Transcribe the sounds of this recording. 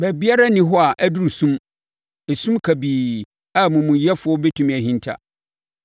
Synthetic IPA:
bæ˨bi˦a˦ɾa˦nĩ˦ɦɔ˦a˨ʔæ˦du˦ɾi˨sũ˦m | e˨sũ˦mkʰa˨biː˨ | a˦˨mũ˨mũ˨jɛ˦fʊ˨˦ɔ˦be˦tʰũ˦˨mæ˨ɦĩ˦ntʰa̰˨

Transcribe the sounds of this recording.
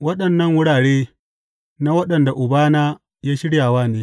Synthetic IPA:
wɐ˦ɗɐ˨nːɐ˦ŋwʊ˦ɽaː˨ɽeː˦ | na˦wɐ˦ɗɐ˨nda˨ʔʊ˨baː˦naː˦ | jaː˦ʃɪ˦ɽjaː˨waː˦neː˦

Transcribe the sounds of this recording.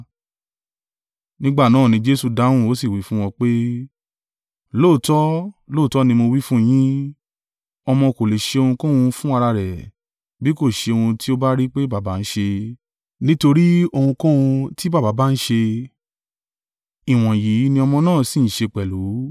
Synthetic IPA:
nĩ˦ɡ͡ba˦˨nãː˦˨nĩ˧d͡ʒe˦su˦˧da˨˦wũ˦˨o˦si˦˨wi˨˦fũ˦w̃ɔ̃˧k͡pe˦ | loː˦˨tɔ˦lo˦˨tɔ˦nĩ˧mo˧wi˦fũ˦j̃ĩ˦ | ɔ˧mɔ̃˧ko˨le˨ʃe˧o˧hũ˧kũ˦wũ˧fũ˦a˧ɾa˧ɾɛ˨ | bi˦ko˦˨ʃe˧o˧hũ˧ti˦o˦ba˦ɾi˦k͡pe˦ba˨ba˨˦n̩˦ʃe˧ | nĩ˦to˧ɾi˦o˧hũ˧kũ˦wũ˧ti˦ba˦˨ba˨˦ba˦˧n̩˦ʃe˧ | i˨w̃ɔ̃˨ji˨˦nĩ˧ɔ˧mɔ̃˧nãː˦˨si˨n̩˨ʃe˧k͡pɛ˨lu˨˦

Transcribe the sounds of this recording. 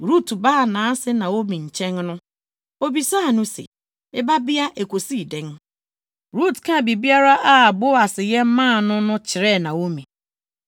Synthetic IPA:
ɾu˦tu˨ba˦˨na˨a˦sɪ˦na˨o˦mi˨n̩˨t͡ʃe˦ŋ˦nʊ˦ | o˦bi˨sa˦˨nu˦sḭ˨ | ɪ˦ba˦bɪ˦a˦ʔe˨kʷo˨si˦˨de˨ŋ̩˦ | ɾu˦˨tka˦˨bi˨bi˦a˦ɾa˦ʔa˦a˨bʊ˦a˨sɪ˨ɣe˦m̩˦mãː˦˨nʊ˦nʊ˦t͡ʃɪ˨ɾe˦˨na˨o˦mi˨

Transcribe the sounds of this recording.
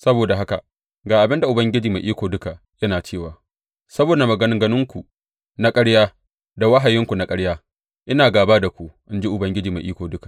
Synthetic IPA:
sɐ˦boː˨da˨ɦa˦ka̰˨ʔ | ɡaː˨ʔa˨bɪ˦nda˨ʔʊ˨bɐ˦ŋɡʲɪ˦d͡ʒiː˨ma˨ʔiː˦kʷoː˨dʊ˦ka˨ʔ | jɐ˦naː˨t͡ʃeː˦˨waː˨ | sɐ˦boː˨da˨mɐ˨ɡɐ˦nɪ˦ŋɡɐ˦nʊ˦ŋkʷu˨ | na˦kʼɐ˦ɽjaː˦ | da˨wɐ˦ɦa˨jɪ˦ŋkʷu˨na˦kʼɐ˦ɽjaː˦ | ʔɪ˦naː˨ɡaː˨baː˦da˨kʷu˨ʔɪ˦nd͡ʒi˦ʔʊ˨bɐ˦ŋɡʲɪ˦d͡ʒiː˨ma̰˨ʔiː˦kʷoː˨dʊ˦kḁ˨

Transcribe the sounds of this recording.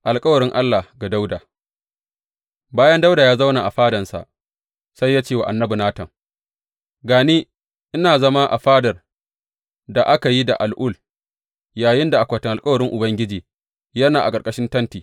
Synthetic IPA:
ʔa˨lkʼɐ˦wɐ˨ɾɪ˦ŋʔa˦lːa˨hɡa˨da˦wdaː˨ | baː˦jɐ˦nda˦wda˨jaː˦za˦wna˨ʔa˨ɸaː˦dɐ˨nsa̰˨ʔ | sa˦jːaː˦t͡ʃeː˦˨wa˨ʔa˨nːɐ˦bu˨naː˦tɐ˨ŋ | ɡaː˨neː˦ | ʔɪ˦naː˨zɐ˦ma˦ʔa̰˨ɸaː˦dɐ˨r | da˨ʔa˦ka˨ji˦da˨ʔa˨lʔʊ˦˨l | jaː˨jɪ˦nda˨ʔa˨kʷaː˨tɪ˨ŋʔlkʼɐ˦wɐ˨ɾɪ˦ŋʔʊ˨bɐ˦ŋɡʲɪ˦d͡ʒiː˨ | jɐ˦naː˨ʔa˨kʼɐ˨rkʼɐ˦ʃɪ˦ntɐ˦ntiː˨

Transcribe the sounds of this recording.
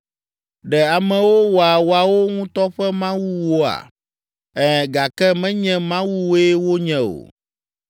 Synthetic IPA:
ɖɛ˨a˨mɛ̃˨wo˦wo˨a˨wo˨a˨wo˦ŋũ˦t̪ɔ˦ɸɛ˦mã˦wu˦wo˦a̰˨ | ɛ˦˨ɡa˨kɛ˦mɛ̃˦ɲɛ̃˦mã˦wu˦wo˦e˦wo˦ɲɛ̃˨o̰˨

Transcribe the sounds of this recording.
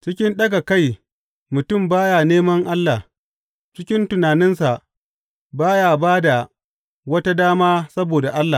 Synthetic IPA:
t͡ʃɪ˦kʲɪ˦nɗɐ˦ɡa˨ka˦˨j | mʊ˨tʊ˦˨mbaː˦ja˨neː˦mɐ˦ŋʔa˦lːa˨h | t͡ʃɪ˦kʲɪ˦ntʊ˨naː˨nɪ˦nsa˨ʔ | baː˦ja˨baː˦da˨ | wɐ˦ta˦daː˦maː˦sɐ˦boː˨da˨ʔa˦lːaː˨

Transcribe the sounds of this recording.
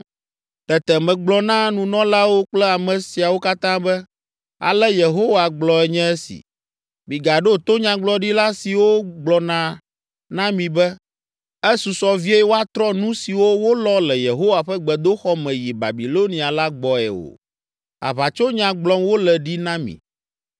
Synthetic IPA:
t̪ɛ˨t̪ɛ˨mɛ̃˨ɡ͡blɔ˨nã˦nũ˨nɔ̃˦la˦wo˦k͡plɛ˦a˨mɛ̃˨si˨a˨wo˦ka˦t̪ã˦bɛ˦ | a̰˨lɛ˦je˨ɦo˦wa˨ɡ͡blɔ˨ɛ˨ɲɛ̃˦ɛ˦sḭ˨ | bi˨ɡa˨ɖo˦t̪o˦ɲã˦ɡ͡blɔ˨˦ɖi˦la˦si˨wo˦ɡ͡blɔ˨nã˨ | nã˦mĩ˨bɛ˦ | ɛ˦su˨sɔ˦vi˦e˦ɛ˦wo˦a˦t̪ɾɔ˦nũ˦si˨wo˦wo˦lɔ˦lɛ˨je˨ɦo˦wa˨ɸɛ˦ɡ͡bɛ˨d̪o˦xɔ˦mɛ̃˨ji˨ba̰˨bi˨lo˦nĩ˨a˨la˦ɡ͡bɔ˨ɛ̰˨o̰˨ | a̰˨βa˨t͡ʃo˦ɲã˨ɡ͡blɔ˦mwo˦lɛ˨ɖi˦nã˦mḭ̃˨

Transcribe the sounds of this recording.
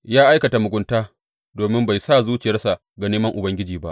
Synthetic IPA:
jaː˦ʔa˦jkɐ˨ta˨mʊ˨ɡʷʊ˦ntaː˦ | doː˨mɪ˦mba˨jsaː˦˨zuː˦t͡ʃɪ˨jɐ˦rsa˨ | ɡa˨neː˦mɐ˦ŋʔʊ˨bɐ˦ŋɡʲɪ˦d͡ʒiː˨ba̰˦ʔ

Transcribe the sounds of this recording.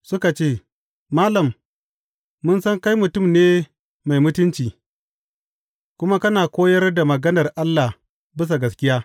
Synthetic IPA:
sʊ˦ka˨t͡ʃeː˦˨ | maː˦lɐ˨mː | ʊ˦nsɐ˦ŋka˦jmʊ˨tʊ˦˨mneː˦ | ma˨jmʊ˦tʊ˦nt͡ʃiː˨ | kʷʊ˦ma˦kɐ˦naː˨kʷoː˦jɐ˦rda˨mɐ˨ɡɐ˦nɐ˨rʔa˦lːa˨h | bɪ˦s̬a˨ɡɐ˦skʲɪ˦jaː˦

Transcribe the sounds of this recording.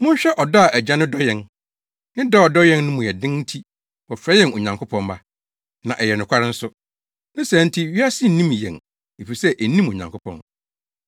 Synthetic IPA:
mʊ̃˦n˦ɕᶣɛ˦ʔɔ˨dɔ˦a˨ʔæ˨d͡ʑã˦nʊ̃˦dɔ˦jɛ̃˨n | nɪ̃˦da˦ɔ˨dɔ˦jɛ̃˦nnʊ̃˦mʊ̃˨jɛ˨dɪ̃˦n̩˦tʰi˦ | wɔ˨fɾɛ˦jɛ̃˦˨o˨ɲã˨ŋkʰʊ˦pʰɔ̃˦nma˦ | nã̰˨ʔɛ˨jɛ˨nʊ̃˨kʰʷa˦ɾɪ˦n̩˦sʊ˦ | nʊ̃˦sæ̃˨˦n̩˦tʰi˦ɥi˦a˦sɪ˦n̩˨nĩ˦m˨jɛ̰̃˨n | e˨fi˨sɛ˦ʔæ˨nĩ˦mo˨ɲã˨ŋkʰʷʊ˦pʰɔ̰̃˨n

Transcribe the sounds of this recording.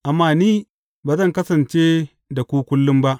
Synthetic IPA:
ʔa˨mːaː˦˨niː˦ | baː˨zɐ˦˨ŋkɐ˦sɐ˨nt͡ʃeː˦ | da˨kʷuː˦kʷʊ˦lːʊ˦mba˦ʔ

